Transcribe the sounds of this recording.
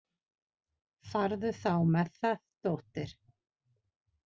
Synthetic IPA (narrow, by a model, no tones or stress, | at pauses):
faɾðʏθawmɛθθaðt̪oːht̪ɪɾ̥